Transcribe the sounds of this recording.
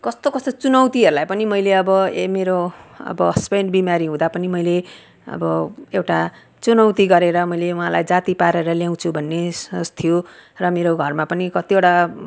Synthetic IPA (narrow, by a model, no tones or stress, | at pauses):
kʌst̪okʌst̪ot͡sunʌwt̪iɦʌɾulajpʌnimʌjleʌbʌemeɾoʌ̰bʌspeɳɖbimaɾiɦũd̪apʌnimʌjle | ʌ̰bʌewʈa | t͡sunʌwt̪iɡʌɾeɾʌmʌjleuɦãlajd͡zat̪ipaɾeɾʌljaw̃t͡sʰubʱʌnːest̪ʰijorʌmeɾoɡʱʌrmapʌnikʌt̪ioʈa